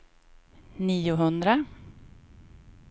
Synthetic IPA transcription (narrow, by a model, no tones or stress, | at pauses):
niːʊɦɵnd̪ɾa